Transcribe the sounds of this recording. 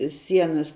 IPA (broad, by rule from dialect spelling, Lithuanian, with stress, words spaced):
ˈsʲiɛnɐs